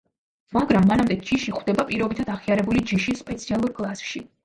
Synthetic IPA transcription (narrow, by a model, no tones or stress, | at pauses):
maɡɾamːanamd̪ɛd͡ʒiʃiχwd̪ɛbapʼiɾɔbit̪ʰad̪aʁiaɾɛbulid͡ʒiʃispʼɛt̪sʰialˠuɾkʼlˠasʃi